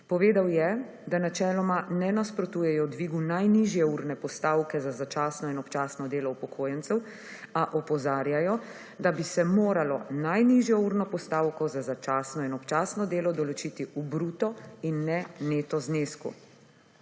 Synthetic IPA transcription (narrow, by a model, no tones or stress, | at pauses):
pɔʋeːd̪awjɛ | d̪anat͡ʃɛːlɔmanɛnaspɾɔt̪uːjɛjɔd̪ʋiːɡunajniʒjɛuːɾnɛpɔst̪aːwkɛzazat͡ʃaːsnɔinɔpt͡ʃaːsnɔd̪eːlɔupɔkʰoːjɛnt̪sɛw | aʔɔpɔzaːɾjajɔ | d̪abisɛmoːɾalɔnajniʒjɔuːɾnɔpɔst̪aːwkɔzazat͡ʃaːsnɔinɔpt͡ʃaːsnɔd̪eːlɔd̪ɔlɔt͡ʃit̪iubɾuːt̪ɔinːɛneːt̪ɔzneːskṵ